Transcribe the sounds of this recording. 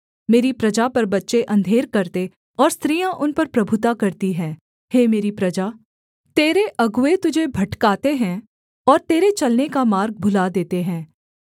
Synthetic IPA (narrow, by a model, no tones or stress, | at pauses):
meːɾipɾɐd͡ʒapɐɾbɐtːʃeʔɐ̃nd̪ʱeːɾkɐɾt̪e | ɔːɾst̪ɾiːjãʔʊnpɐɾpɾɐbʱʊt̪akɐɾt̪iɦɛ̃ː | heːmeːɾipɾɐd͡ʒaː | t̪eːɾeʔɐɡʊet̪ʊd͡ʒʱebʱɐʈkaːt̪eɦɛ̃ː | ɔːɾt̪eːɾet͡ʃɐlnekamaːɾɡ̚bʱʊlad̪eːt̪eɦɛ̃ː